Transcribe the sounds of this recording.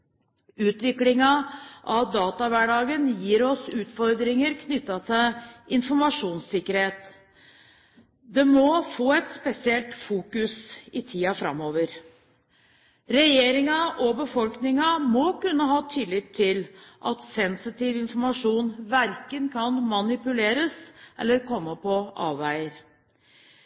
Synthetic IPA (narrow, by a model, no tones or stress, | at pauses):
ʉːt̪ʋɪklɪŋɑʔɑʋd̪ɑːt̪ɑʋæɖɑːɡənjiːɾɔsʉːt̪fɔɾd̪ɾɪŋəɾkʰnʏt̪ːɑt̪ʰəɪnfɔɾmɑʂuːnsɪkːəɾheːt̪ | d̪ɛmɔfoːɛt̪spɛsɪɛlt̪fuːkʉsɪt̪ʰiːɑfɾɑ̰mːoːʋəɾ | ɾɛjeːɾɪŋɑʔɔbəfɔlknɪŋɑmɔkʉnːəɦɑːt̪ʰɪlːɪt̪ʰːɪlʔɑt̪sɛnsɪt̪iːʋɪnfɔɾmɑʂuːnʋæɾkənkʰɑnmɑnɪpʉleːɾəsʔɛ̰lːəɾkʰɔmːəpʰɔʔɑ̰ːʋʋæɪəɾ